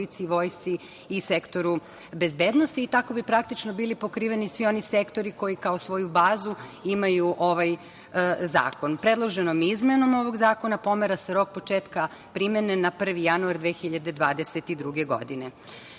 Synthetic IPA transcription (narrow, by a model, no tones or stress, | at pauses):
it̪siiʋo̞ːjst̪siː | sekt̪o̞ɾu | be̞zbe̞ːd̪nost̪iːt̪ako̞bipɾak̚t̪it͡ʃnobiːlipo̞kɾiːʋe̞nisʋio̞nise̞kt̪o̞ɾiko̞jikao̞sʋo̞jubaːzuimajuʔoʋaj | za̰ːkonpɾe̞d̪lˠo̞ʒenomizmeno̞mo̞ʋo̞ɡzaːko̞napo̞meɾaseɾo̞k̚po̞t͡ʃeːt̪ka | pɾimenenapr̩ʋijanuaɾd̪ʋeːxiʎad̪e̞d̪ʋaːd̪eset̪id̪ɾuɡeɡo̞̰d̪ine